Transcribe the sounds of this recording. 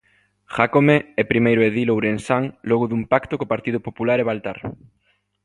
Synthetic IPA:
xakomeɛpɾimejɾoeðilowɾensaŋloɣoðumpakt̪okopaɾt̪iðopopulaɾeβalt̪a̰ɾ

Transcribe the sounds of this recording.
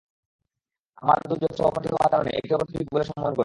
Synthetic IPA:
amaɾd̪uɾd͡ʑoʃɔbopaʈʰiɦɔ̰waɾkaɾonḛʔḛʈiopɾt̪ʰiikuboleʃɔmːoɦonko

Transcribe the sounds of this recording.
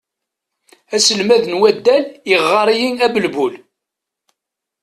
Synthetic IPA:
æsəlmæðənwæd̪ːæliʁːɑɾˤijiŋæbəlbul

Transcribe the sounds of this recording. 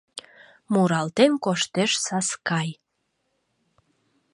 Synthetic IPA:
muɾɑlt̪enkoʃt̪eʃsɑskɑj

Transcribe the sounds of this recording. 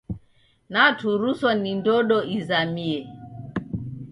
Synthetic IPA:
natʰuɾusɔnindɔɗɔizamiɛ

